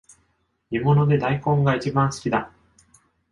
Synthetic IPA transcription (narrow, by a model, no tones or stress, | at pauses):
mʲimo̞no̞d̪e̞d̪aikõ̞ŋɡait͡ɕibãɰ̃sɨ̥kʲid̪a